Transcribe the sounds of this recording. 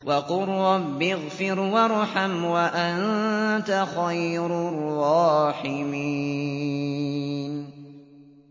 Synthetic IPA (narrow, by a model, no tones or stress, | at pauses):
wɑqʊɾːɑbːɪɣfɪɾwaɾˤʊħamwaʔant̪axajɾrˤːɑːħɪmi | n